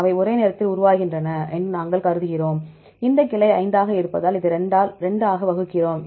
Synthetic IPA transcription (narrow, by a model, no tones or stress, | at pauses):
ɐʋɐɪɔɾeːneːɾɐt̪ːɪlʊɾʊʋaːɣɪndrɐnɐʔɛndrɯnaːŋɡɐɭkɐɾɯðɯɣɪroːm | ɪnd̪ɐkːɪlɐɪɐɪnd̪aːɣɐɪɾɯpːɐðaːlɪðɯɾɛɳɖaːlɾɛɳɖaːɣɐʋɐɣɯkːɪroːm